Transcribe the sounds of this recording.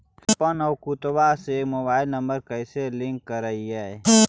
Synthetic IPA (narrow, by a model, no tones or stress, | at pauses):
kpənɔwkut̪basemoːbaːɪlnəmbəɾkəjseliŋkːəɾəiɛ